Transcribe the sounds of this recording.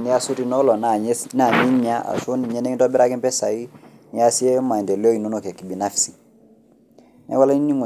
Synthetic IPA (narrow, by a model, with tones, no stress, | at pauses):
ni˦ja˦su˦ɾi˨no˦lo˨nana˨ɲi˦ɲa˦a̰˨su˦ni˨ɲe˦ne˦ŋ˦ntɔ˦bi˦ɾa˦ki˦mpɛ˦sa˨i˦ | ni˨ja˦si˦e˦ma˨de˨lo˦i˨nu˦no˨ke˨kːi˨bi˨na˦fsi˨ | nɛ̰˦wa˦la˦i˦ni˦ŋu˨